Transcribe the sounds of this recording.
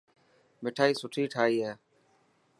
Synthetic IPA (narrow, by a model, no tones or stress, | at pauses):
mɪʈʰaːiːsʊʈʰiːʈʰaːiːɦeː